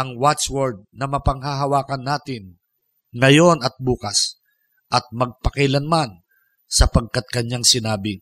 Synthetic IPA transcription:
ʔɐŋwat͡ʃwoɾd̪̚nɐmɐpɐŋɦaɦɐwaːkɐnːaːt̪ɪn | ŋɐjo̞nɐt̪̚buːkas | ʔɐt̪̚mɐɡ̚pɐkɐlɐnman | sɐpɐɡ̚kat̪̚kɐɲjaŋsɪnaːbɪ

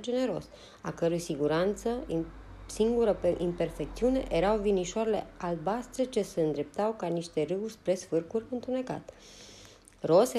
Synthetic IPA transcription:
d͡ʒe̞ne̞ɾo̞̰s | a̰kəɾujsiɡuɾant̪sə | siŋɡuɾəʔimpe̞rfe̞k̚t̪siune̞̰ʔeɾawviniʃoaɾele̞̰albast̪ɾe̞t͡ʃe̞se̞ɨnd̪ɾe̞p̚t̪awkaniʃt̪e̞rɨwurʲspɾe̞sfɨrkurʲɨnt̪une̞ka̰t̪ | ro̞se

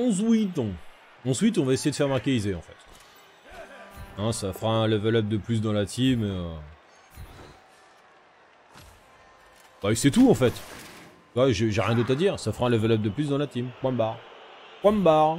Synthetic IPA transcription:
ɔ̃zwit̪ɔ̃ | ɑ̃swit̪ɔ̃vaesejed̪əfɛʁmaʁkʲeizeɑ̃fɛt̪ | ɛ̃safʁaɛ̃lɛvɛlɔp̚d̪əplys̬d̪ɑ̃lat̪ʰimeø | basɛt̪uɑ̃fɛt̪ | t̪waʒeʒeʁjɛ̃d̪ot̪χad̪iːʁsafʁaɛ̃ləvɛlœp̚d̪əplys̬d̪ɑ̃lat̪impwãmbaʁpwãmbaʁ

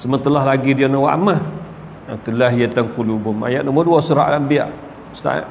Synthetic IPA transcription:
səmənt̪əlaɦlaɡidianawa̰ʔa̰mah | at̪ulaɦijet̪aŋkulubuma̰jaʔ̪̚nəmuduasuɾa̰ʔlaʔmbia̰ʔ | st̪a̰ʔ

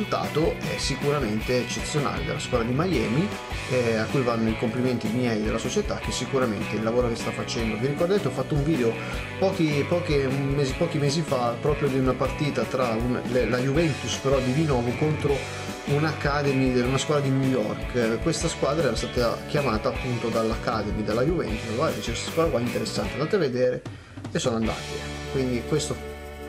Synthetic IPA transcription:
ult̪a̰ːt̪oɛ̰sːikuɾament̪eet͡ʃːet̪sːjona̰ːlḛd̪ḛlːaskwad̪ɾad̪imajɛ̰ːmi | ɛakːujvanːoikompliment̪imjɛid̪elːasot͡ʃet̪a̰k̟ːesːikuɾament̪eilːavoːɾokest̪afːat͡ʃɛnd̪oviɾikord̪et̪eɔfːat̪ːouɱviːd̪eo | pɔːk̟ipɔːk̟emeːzipɔːkimeːzifapːɾɔːpɾjod̪iunapart̪iːt̪at̪ɾaunlelajuvɛnt̪uspeɾɔd̪id̪inɔːvokont̪ɾo | unakːad̪emieunaskwad̪ɾad̪injujɔ̰rkkwest̪askwaːd̪ɾaɛɾast̪aːt̪akjamaːt̪aːpːunt̪od̪alːakːa̰ːd̪emid̪elːajuvɛ̰nt̪usvad̪it͡ʃekwest̪askwad̪ɾakwaint̪eɾesːaneand̪at̪eavːed̪eːɾe | esːoːnoand̪a̰ːt̪e | kwind̪ikwest̪o

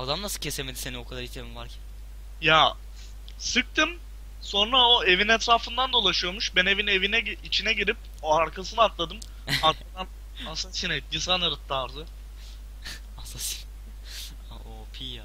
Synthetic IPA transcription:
ad̪amnasɯ̥cʰe̞seme̞d̪iseniokʰad̪aɾit̪ʰemimvaɾcʰæn | ja | sɯk̚t̪ʰɯm | so̞nɾaoe̞vinɛt̪ɾaːfɯnd̪and̪olˠaʃɯjo̞muʃbɛne̞vinevinɛɟit͡ʃʰinɛɟiɾip̚ | oaɾkʰasɯnɯat̪lˠad̪ɯm | aɾkad̪an | asasinɛd̪isanaɾɯt̪ʰːaɾzɯ | asasi̥n | aopʰija

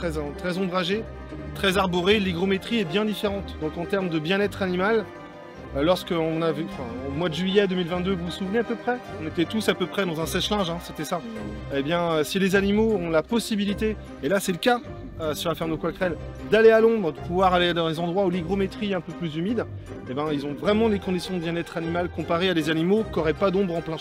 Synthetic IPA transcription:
t̪χɛzɛ̃t̪χɛzɔ̃bʁaʒe | t̪χɛzaʁbɔʁeliɡʁɔmet̪χiɛbjɛ̃d̪ifeʁɑ̃t̪d̪ɔ̃kɑ̃t̪ɛʁmd̪əbjɛ̃nɛt̪χanimal | lɔʁskəɔ̃navɛɑ̃fɛ̃omwad̪əʒɥijɛd̪ømilvɛ̃t̪d̪øvusuvneapøpχɛɔ̃net̪ɛt̪usapøpχɛd̪ɑ̃zɛ̃sɛʃlɛ̃ʒɛ̃set̪ɛsaebjɛ̃øsilezanimoɔ̃lapɔsibilit̪eː | lasɛləka | øsyʁlafɛʁmd̪əkwakχɛld̪alealɔ̃bʁəd̪əpuvwaʁaled̪ɑ̃lezɑ̃d̪ʁwauliɡʁɔmet̪χiɛɛ̃pøplyzymid̪ | ebɛ̃ilzɔ̃vʁɛmɑ̃d̪ekɔ̃d̪isjɔ̃d̪əbjɛ̃nɛt̪χanimalkɔ̃paʁead̪ezanimokɔʁɛpad̪ɔ̃bʁɑ̃plɛ̃

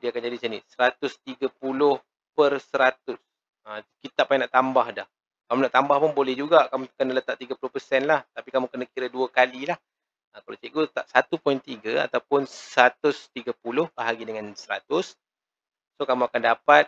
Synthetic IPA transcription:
diakand͡ʒadisənisəɾat̪ʊst̪iɡəpulʊh | pərsəɾat̪ʊs | əkit̪aʔpːaɛ̃naʔt̪ambahdah | kamũnaʔt̪ambahpʊnbolɛhd͡ʒuɡakamukənələt̪aʔt̪iɡapulʊhpərsɛnlaht̪apikamũkənəkiɾəduəkalilah | əkala̰t͡ʃiʔɡot̪aʔsat̪upɔint̪iɡaa̰t̪awpʊnsəɾat̪ʊst̪iɡəpulʊhpəɦaɡidəŋãnsəɾa̰t̪ʊsː | okamũakandapat̪̚

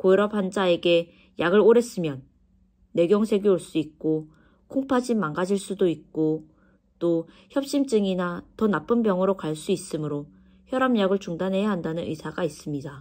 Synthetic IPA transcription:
koiɾʌphand͡ʑae̞ɡe̞ | jaɡɯɭɾoɾe̞s͈ɯmjʌnː | e̞ɡjʌŋsʰe̞ɡioɭs͈uik̚k͈o | kʰoŋpʰad͡ʑimaŋɡad͡ʑiɭs͈udoik̚k͈o | t͈o | çjʌp̚ɕ͈imt͡ɕ͈ɯŋinatʌnap͈ɯnbjʌŋɯɾokaɭs͈uis͈ɯmɯɾo | çjʌɾamjaɡɯɭt͡ɕuŋdanɦe̞jaɦandanɯnḭsʰaɡais͈ɯmɲida

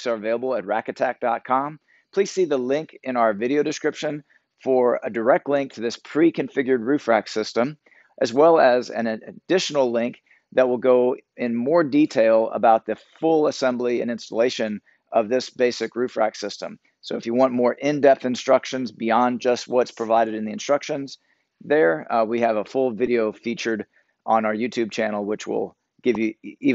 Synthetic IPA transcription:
sə˞ɨveɪlˠəbl̩ˠət̚ɹækɨtʰæk̚d̥ɑt̚kʰɑ̃m | pʰl̥iz̥siðəlɪ̃ŋkɨ̃naʊə˞vɪɾioʊɾɨskɹɪpʃɨ̃n | fə˞ɨdə˞ɛk̚tˡlɪ̃ŋk̚tʰɨðɪspʰɹ̥ikʰɨ̃ɱfɪɡjə˞d̚ɹʉfɹæksɪstə̃m | ʔɨzwɛlˠəzɨ̰̃nɨd̥ɪʃn̩l̩ˠlɪ̃ŋk̚ | ðɨt̚wəlˠɡoʊɪ̃nmɔɹditʰeɪlˠə̰baʊt̪̚ðɨfʊlˠəsɛ̃mbliɨ̰̃nɪ̃nstəleɪʃɨ̃n | ʌvðɪsb̥eɪsɨkɹʉfɹæ̰ksɪstə̰̃m | soʊəfjɨwɑ̃nmɔɹʔɪ̃ndɛp̚θɨ̃nstɹ̥ʌkʃɨ̃nzbiɑ̃nd͡ʒʌst̚wʌtspʰɹ̥ɨvaɪɾɨɾɨ̃nðiɨ̃nstɹ̥ʌkʃɨ̃nz̥ | ðə˞wiɨvəfʊlˠvɪɾioʊfit͡ʃə˞ɾ | ʔə̃nə˞jʉtʰʉb̚t͡ʃʰænl̩ˠwɨt͡ʃwɪ̰lˠ | ɡ̥ɪvjɨi

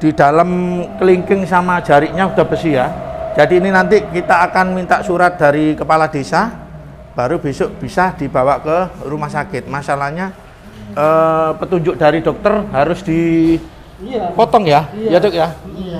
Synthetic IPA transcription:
d̥id̥alamkəliŋkɪŋsamḁd͡ʒaɾiʔɲaud̥̪a̤b̥əsijḁd͡ʒ̥adiːninant̪ikit̪aːkanmint̪aʔsuɾat̪̚d̥aɾikəpalad̥esa | b̥a̤ɾub̥esʊʔb̥isad̥i̤bawaʔkəɾumahsakɪt̪̚masalahɲa | əpət̪uɲd͡ʒʊʔ̚d̥aɾid̥ɔk̚t̪ərɦaɾʊsd̥i | pɔt̪ɔŋjajadkja

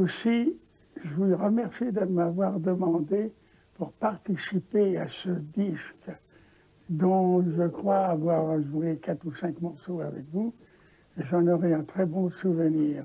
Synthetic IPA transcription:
osi | ʒəvuiʁəmɛʁsid̪əmavwaʁd̪əmɑ̃d̪e | puʁpaʁt̪isipeasəd̪isk | d̪ɔ̃ʒəkχwaːvwaʁʒuekat̪χusɛ̃kmɔʁsoavɛ̰kvu | eʒɑ̃nɔʁɛɛ̃t̪χɛbɔ̃suvəniːʁ

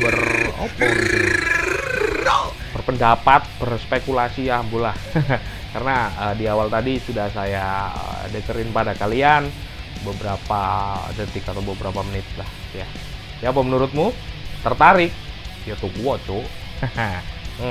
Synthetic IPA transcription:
bərɔ̰pɔ | əa | bərpəndapat̪̚bərspekulasiambulah | karnaədiawalt̪adisudahsajaə̰dəkəɾɪnpadakalianbəbəɾapad͡ʒət̪ɪkat̪awbəbəɾapamənɪt̪̚lahja | jaːpamənuɾʊt̪̚mut̪ərt̪aɾɪk̚jat̪ukuɔt͡ʃu

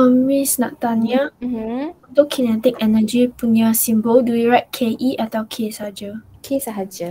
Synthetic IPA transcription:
ɔmisna̰ʔt̪ania | t̪okʰinɛt̪ik̚ɛnad͡ʒipuniasĩmbəlduwiɹat̚kʰeʔiʔatawkʰesad͡ʒəkʰesaɦad͡ʒə

